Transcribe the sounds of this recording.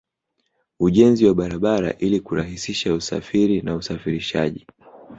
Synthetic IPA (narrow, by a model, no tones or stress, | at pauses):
uʄɛnziwaɓaɾaɓaɾa̰ʔilikuɾaɦisiʃausa̰fiɾinausafiɾiʃa̰ʄi